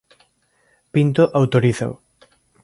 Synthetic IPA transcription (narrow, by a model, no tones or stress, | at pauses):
pint̪oʔawt̪oɾiθa̰w